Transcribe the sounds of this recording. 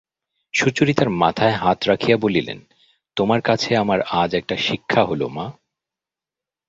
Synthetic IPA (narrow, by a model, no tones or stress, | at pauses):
ʃut͡ɕoɾit̪aɾmat̪ʰaeɦat̪ɾakʰijabolilḛn | t̪omaɾkat͡ɕʰeamaɾad͡ʑɛk̚ʈaʃikʰːaɦolo̰ma